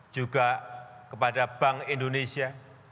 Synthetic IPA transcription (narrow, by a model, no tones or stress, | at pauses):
d͡ʒ̥uɡakəpadab̥aŋindonesia